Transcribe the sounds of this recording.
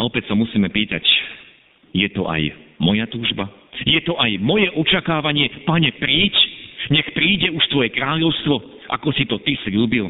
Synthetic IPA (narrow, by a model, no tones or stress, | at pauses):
ɔpɛcsamusiːmɛpiːt̪a̰c | jɛt̪ɔʔa̰jmɔjat̪uːʒba | jɛt̪ɔʔajmɔjɛʔɔt͡ʃakaːʋaɲɪɛpaɲɛpɾiːcɲɛxpɾiːɟɛuʃt̪ʋɔjɛkɾaːʎɔʊst̪ʋɔ | ʔa̰kɔsit̪ɔt̪isʎuːbil